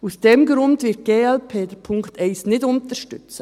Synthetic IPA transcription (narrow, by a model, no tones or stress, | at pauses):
usd̥ɛmɡɾʊndʋɪt̚ɡ̥eːɛlpʰeːdəpʰʊŋktɛɪsnɪdʊnt̪əʃtʏt͡sə